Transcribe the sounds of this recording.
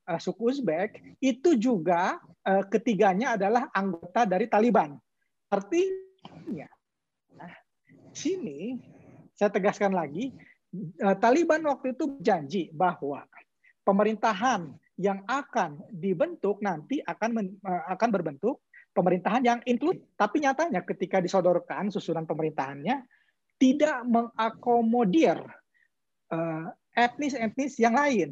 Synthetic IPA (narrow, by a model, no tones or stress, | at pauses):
əsukusbɛk̚it̪ud͡ʒuɡa | əkət̪iɡaɲaːdalahaŋɡot̪adaɾit̪aliban | ərt̪iɲa | a | sini | sajat̪əɡaskanlaɡi | ət̪alibanwak̚t̪uit̪ubərd͡ʒaɲd͡ʒibahwa̰ | pəməɾint̪aɦan | jaŋakandibənt̪ʊk̚nant̪iʔakanməəakanbərbənt̪ʊk̚pəməɾint̪aɦanjaŋiŋklut̪apiɲat̪aɲakət̪ikadisodɔrkansusunanpəməɾint̪aɦanɲa | t̪idaʔməŋakomodir | əː | ɛt̪̚nɪsɛt̪̚nɪsjaŋlaɪn